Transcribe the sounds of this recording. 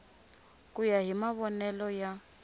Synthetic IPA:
kʼujaɦimaβɔnɛlɔja

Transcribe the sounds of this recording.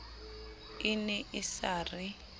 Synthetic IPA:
ɪnɛʔɪsaːrɪ

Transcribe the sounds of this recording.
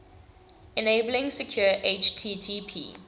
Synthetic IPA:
ɛneɪbəlɪ̃ŋsɛkʰj̥ɔːʔet͡ʃtʰiːtʰiːpʰḭː

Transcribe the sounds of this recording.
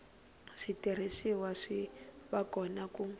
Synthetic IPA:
ʂitʼiɾ̤isiwaʂiβakʼɔnaku

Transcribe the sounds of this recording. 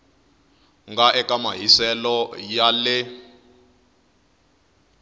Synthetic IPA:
ŋɡaʔɛkʼamaɦisɛlɔjalɪ

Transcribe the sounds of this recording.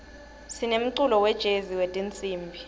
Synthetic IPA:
sinem̩ǀulɔwɛd̥ʒ̥ʱeziwetʼint͡sʼiːmbʱi

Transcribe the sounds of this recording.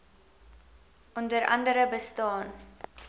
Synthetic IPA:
ʔɔndəɾʔɐ̰ndəɾəbəstɑːn

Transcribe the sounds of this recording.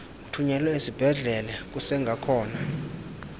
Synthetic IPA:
kutʰuɲɛlɔezib̥ʱɛɮɛlɛk̬usɛŋɡʱakʰɔːna

